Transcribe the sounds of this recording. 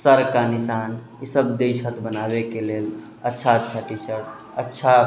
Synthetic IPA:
səɾkanisan | isəbd̪ejsʰət̪bənabekelel | ətːʃʰaətːʃʰaʈisəɾʈ̚ | ətːʃʰa

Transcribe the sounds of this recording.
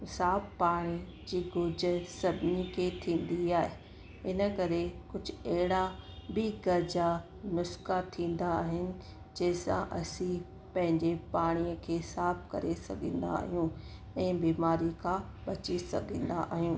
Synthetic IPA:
saːbpaːɽ̃i | d͡ʑiːɡʊd͡ʑ̆sɐbʱɪnikʰeːt̪ʰĩːn̆d̪iaːɦe | ɪnəkɐɾekʊd͡ʑʱʊɐɦɪɽabɪɡɐɾd͡ʑa | nʊskat̪ʰĩːn̆d̪aːɦɪnɪ̆ | d͡ʑɐɦɪ̃sã̰ʔɐsĩ | pɐ̃ɦɪ̃ɲd͡ʑepaːɽ̃iəkʰeːsaːb̚kɐɾesɐ̰ɡʱə̃ːn̆d̪a̰ːɦijũ | ɛ̃ːbiːmaːɾikʰã | ɓɐt͡ɕisɐɡʱə̃n̆d̪a̰ʔa̰ːɦijũː

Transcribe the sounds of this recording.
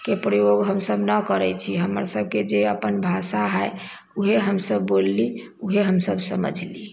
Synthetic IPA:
kepɾəjoɡɦəmsəbʱnəkəɾɛt͡ʃʰiɦəmə̰ɾsəb̚ʱked͡ʒeəpənbʱasaɦəj | uɦeɦəmsəbːolːi | uɦeɦəmsəbsə̰mə̰d͡ʒʱli

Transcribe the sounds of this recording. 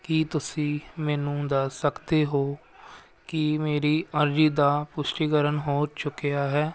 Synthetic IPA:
kit̪ʊsĩːmɛːnũːd̪aːsəkd̪eːɦoː | kɪmeːɾiːəɾd͡ʒiːd̪aːpʊʃʈiːkəɾənɦoːt͡ʃʊkejaːɦɛː

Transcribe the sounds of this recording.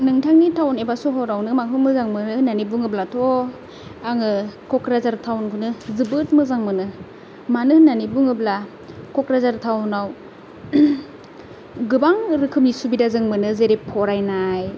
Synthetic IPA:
nɯŋtʰaŋnitʰawnebasɔɦɔɾawnɯmaŋɦɯmɯzaŋmɯnɯhɯnːanibuŋɯblatʰo | aŋɯkʰɔkɾazaɾtʰawnkʰunɯzɯbɯt̚mɯzaŋmɯnɯ | manɯhɯnːanibuŋɯbla | kʰɔkɾazaɾtʰawnaw | ɡɯbaŋɾɯkʰɯp̚nisubidazɯŋmɯnɯzeɾepʰːɔɾajnaj

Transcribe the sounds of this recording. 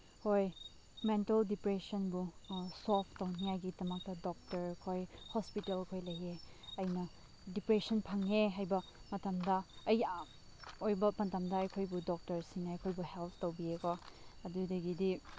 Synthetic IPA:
hoj | mentɐldipɾesɐnbusopʰtɐwniajɡidɐmɐk̚tɐdɔk̚tɐɾkʰojhɔspitelkʰojlɐjeɐjnɐ | dipɾesɔnpʰaŋeɦajbɐmɐtɐmdɐːj | ojbɐmɐntamdɐːjkʰojbudɔk̚tɐɾsinɐːjkʰojbuhelpʰtɐwbiekɔɐdudɐɡidi

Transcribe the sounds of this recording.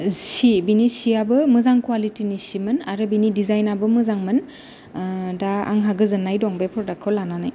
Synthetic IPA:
sibinisiabɯmɯzaŋkwalitinisimɯnaɾɯbinidizajnabɯmɯzaŋmɯn | daa̰ŋɦaɡɯzɯnːajdɔŋbepʰɔɾdakʰɯwlananaj

